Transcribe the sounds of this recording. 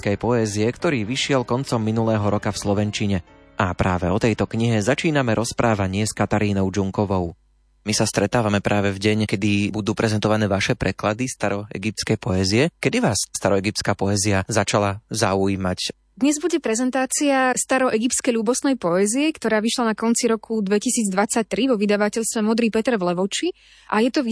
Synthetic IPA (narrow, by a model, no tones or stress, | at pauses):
kɛjpɔɛziɛkt̪ɔɾiːʋiʃɪɛlkɔnt͡sɔmːinulɛːɦɔɾɔkafslɔʋɛnt͡ʃiɲɛ | ʔapɾaːʋɛɔt̪ɛjt̪ɔkɲiɦɛzat͡ʃiːnamɛɾɔspɾʔaːʋaɲɪɛskat̪aɾiːnɔʊd͡ʒuŋkɔʋɔʊ | misast̪ɾɛt̪aːʋamɛpɾʔaːʋɛvɟɛɲkɛd̪ibud̪uːpɾɛzɛnt̪ɔʋanɛːʋaʃɛpɾɛklad̪ist̪aɾɔɛ̰ɡip̚t̪t͡skɛjpɔɛziɛkɛd̪iʋaːsːt̪aɾɔɛɡip̚t͡skaːpɔɛziazat͡ʃalazauiːmac | d̪ɲɛzbuɟɛpɾɛzɛnt̪aːt͡siast̪aɾɔʔɛɡipt͡skɛjlʎuːbɔsnɛjpɔɛziɛkt̪ɔɾaːʋiʃlanakɔnt͡siɾɔkʰud̪ʋɛcisiːd͡zd̪ʋat͡sac̚t̪ɾiʋɔʋid̪aʋacɛʎst̪ʋɛmɔd̪ɾiːpɛt̪ɛɾvlɛʋɔt͡ʃi | ʔajɛt̪ɔi